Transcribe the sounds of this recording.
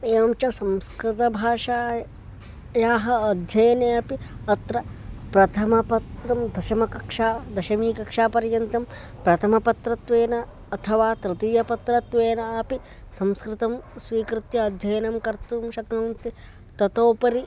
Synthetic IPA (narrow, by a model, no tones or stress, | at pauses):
eːɐmt͡ʃɐsɐ̃mskɾɪt̪ɐbʱaːʂaː | jaːɦɐːd̪ʱjɐjɐneːɐpiɐt̪ɾɐpɾɐt̪ʰɐmɐpɐt̪ɾɐmd̪ɐʃɐmɐkɐkʂaːd̪ɐʃɐmiːkɐkʂaːpɐɾjɐnt̪ɐm | pɾɐt̪ʰɐmɐpɐt̪ɾɐt̪ʋeːnɐː | t̪ʰɐʋaːt̪ɾɨt̪iːjɐpɐt̪ɾɐt̪ʋeːnɐːpi | sɐ̃mskɾɪt̪ɐmsʋiːkɾɪt̪jɐːd̪ʱjɐjɐnɐmkɐɾt̪umʃɐknuːnt̪i | t̪ɐt̪oːpɐɾi